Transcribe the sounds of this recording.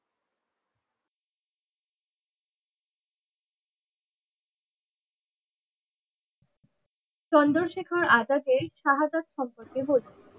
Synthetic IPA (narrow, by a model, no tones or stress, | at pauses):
t͡ɕɔnd̪oɾʃekʰaɾad͡ʑaɡ̪eɾʃaɦad͡ʑat̪ʃɔmpoɾkebole